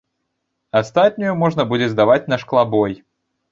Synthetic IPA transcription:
ɐst̪at̪̚ʲnʲʊjumɔʐnɐbudʲɪzd̪avat͡sʲnɐʂklˠabɔj

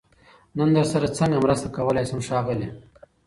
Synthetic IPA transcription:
nənd̪əɾsaɾat͡saŋɡamɾast̪akawəlajsamʂɑːɣɪle

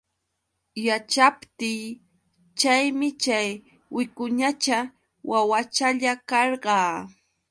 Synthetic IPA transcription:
jat͡ʃapt̪iː | t͡ʃajmɪt͡ʃaj | wɪkʊɲat͡ʃa | wawat͡ʃaʎakɑɾɢɑː

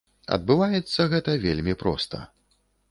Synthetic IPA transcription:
ɐ̰d̪̚bɨvajɛt̪sːɐɣɛt̪ɐvʲelʲmʲipɾɔ̰st̪ɐ̰

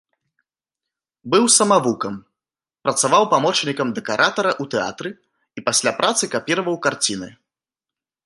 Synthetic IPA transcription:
bɨwsɐmavukɐm | pɾɐt̪savawpamɔt͡ʂnʲikɐmd̪ɛkaɾʔat̪ɐɾɐʔut̪ɛa̰t̪ɾɨ | ipasʲlʲapɾʔat̪sɨkapʲiɾɐvɐwkart͡sʲinɨ

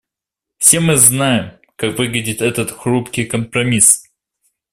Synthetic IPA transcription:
fsʲe̞mɨznajɪm | kakvɨɡlʲɪdʲɪt̪ɛt̪ət̪xɾupkʲɪjkəmpɾɐmʲis

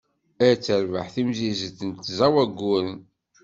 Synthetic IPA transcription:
æɾt͡sːəɾvəħθimzizəθənt̪zæwæɡːʊɾən

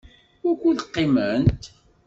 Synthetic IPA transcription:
wækːuðəqːimənt̪

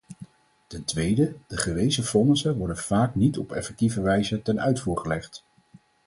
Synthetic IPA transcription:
tɛntʋejdəd̥əχəʋejzəfɔnəsəʋɔɹdənv̥aːknitɔpɛ̰fɛk̚tivəʋɛjzətɛnœ̰ɥtfuːɹχəlɛχt

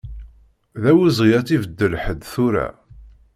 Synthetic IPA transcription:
ðæwizˤʁjæt͡sivəd̪ːəlħəd̪θʊɾæ̰

